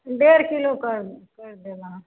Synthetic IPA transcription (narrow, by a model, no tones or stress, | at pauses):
ɖeːɾkɪlokəɾkɐɾd̪eːɡãː